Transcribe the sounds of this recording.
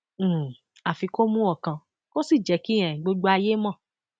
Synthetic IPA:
a˨fi˧ko˦mũ˦ɔ˦˨kã˧ | ko˦si˦˨d͡ʒɛ˨˦kĩ˦ɛ̃˨ɡ͡bo˧ɡ͡bo˧˦a˧je˦mã˦˨

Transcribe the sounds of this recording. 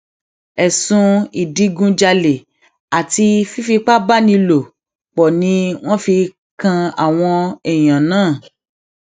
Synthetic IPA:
ɛ˨sũ˧i˨di˨˧ɡũ˧d͡ʒa˧le˨ | a˨ti˧fi˦fi˧k͡pa˦ba˦nĩ˧lo˨ | k͡pɔ˨nĩ˧w̃ɔ̃˦fi˧ | kã˧a̰˨w̃ɔ̃˧ɛ˨j̃ã˨nãː˦˨

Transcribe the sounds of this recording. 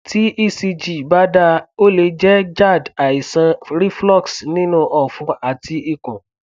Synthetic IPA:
ti˦ʔi˦˨si˧d͡ʒi˨ba˦da˧o˦le˧d͡ʒɛ˦d͡ʒa˦˨da˨i˨sã˧ɾi˦flɔ˦˨ksnĩ˦nũ˦˧ʔɔ˨fũ˧a˨ti˧i˨kũ˨

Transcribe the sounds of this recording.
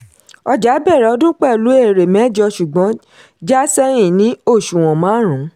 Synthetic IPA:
ɔ˧d͡ʒa˨˦bɛ˦˨ɾɛ˨ɔ˧dũ˦k͡pɛ˦˨lu˨˦e˦˨ɾe˨mɛ̃˨˦˨d͡ʒɔ˧ʃu˨ɡ͡bɔ̃˨˦ | d͡ʒa˦sɛ˦j̃ĩ˦˨nĩ˨˦o˦˨ʃu˨w̃ɔ̃˨mã˨˦ɾ̃ũ˨˦

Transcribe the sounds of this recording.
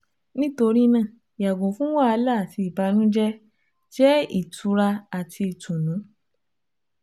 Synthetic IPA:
nĩ˦to˧ɾi˦nã˦˨ | ja˨ɡõ˨fũ˦wa˦a˧la˦˨ti˧i˨ba˧nũ˦d͡ʒɛ˦ | d͡ʒɛ˦i˨tu˧ɾa˧a˨tʰi˧i˨tũ˨nũ˨˦

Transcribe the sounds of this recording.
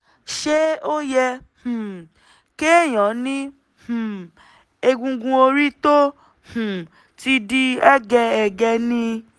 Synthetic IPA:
ʃe˦o˦jɛ˧ | h̩˨ | ke˦˨j̃ɔ̃˨˦nĩ˦ | h̩˨ | e˧ɡũ˧ɡũ˧o˧ɾi˦to˦ | hũ˨ | ti˧di˧ɛ˦ɡɛ˧ɛ˨ɡɛ˧nĩ˧

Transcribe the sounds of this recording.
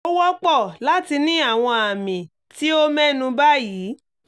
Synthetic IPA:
o˦wɔ˦k͡pɔ˦˨la˨˦ti˧nĩ˦a˦˨w̃ɔ̃˧a˨mĩ˨ | ti˦o˦mɛ̃˦nũ˧ba˦ji˨˦

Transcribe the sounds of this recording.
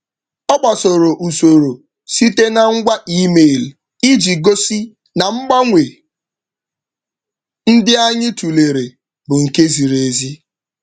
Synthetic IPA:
ɔ˦k͡pa˨so˨ɾo˨ʔu˨so˨ɾo˨ | si˦te˦na˨ŋ̩˦ɡʷa˦ʔi˦me˦˨l | i˦d͡ʒi˨ɡo˦si˦ | na˨ŋ͡m̩˦ɡ͡ba˦ŋʷe˨ | n̩˦dɪ˦a˦ɲɪ˦tu˨le˨ɾe˨ | bʊ˨ŋ̩˨ke˦zi˨ɾe˨zi˦

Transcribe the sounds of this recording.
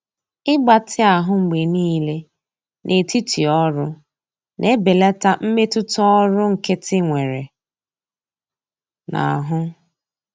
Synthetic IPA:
ɪ˦ɡ͡ba˨tʰɪ˦a˨ɦʊ˦ŋ͡m̩˨ɡ͡be˨niː˦le˦ | nʔe˨ti˦ti˨ɔ˦ɾʊ˦ | nʔe˦be˨la˦ta˦m̩˦me˦tʊ˦tɔ˦ɔ˦ɾʊ˦ŋ̩˨ke˦tɪ˦ŋʷe˨ɾe˨ | na̰˨ɦʊ˦

